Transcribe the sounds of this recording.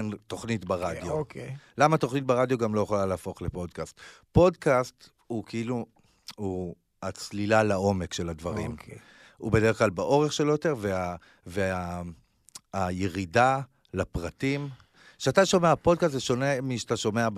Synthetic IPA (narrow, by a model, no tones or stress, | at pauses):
nto̞χnitbaʁadjolamat̪oχnit̚beʁad̪jo̞ɡamlo̞jeχlaleːfo̞χlepo̞dkast̪ | po̞dkast̪ | ukeilu | u | at͡slilalao̞me̞kʃe̞ladvaʁḭm | ṵbedeʁeχklalbaʔo̞ʁeχʃelojoteʁvea | vea | jeʁida | lapʁatim | ʃeataʃo̞meapo̞dkastveʃo̞nemiʃat̪aʃo̞mea